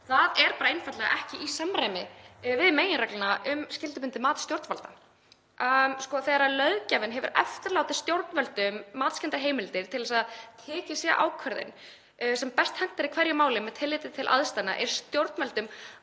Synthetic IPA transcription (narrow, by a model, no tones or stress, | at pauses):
θaðɛɾpaːɾaɪnfat̪lɛɣa̰ʔɛhcɪʔisamɾajmɪvɪðmeːjɪnɾɛklɪnaʔʏmscɪlt̪ʏpʏnt̪ɪmaːt̪st̪jowɾt̪falt̪a | skɔθɛɾalœðcavɪnɦɛvʏɾɛ̰ft̪ɪɾlaːwt̪ɪ̥st̪jowɾt̪nvœlt̪ʏmːaːt̪scɛnt̪aɦeːjmɪlt̪ɪɾ̥t̪ʰɪlɛsaðt̪ʰɛːcɪsɛʔa̰ːwkʰvœɾðɪ̰n | sɛmpɛst̪hɛn̥t̪aɾikʰvɛɾjʏmaːwlɪmɛt̪ʰɪlːɪːt̪ɪ̥t̪ʰɪlʔa̰ðst̪ajna̰ʔɛ̰ɾ̥st̪jowɾt̪nvɛlt̪ʏm